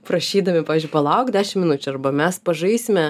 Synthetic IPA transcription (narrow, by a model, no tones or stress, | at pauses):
pɾɐʃʲiːd̪ɐmʲɪpɑːʋʲɪzʲd͡ʒʲʊɪpɐlˠɐʊkdʲæːʃʲɪmʲɪnʊt͡ʃʲʊɐrbɐmʲɛspɐʒɐɪsʲɪmʲɛ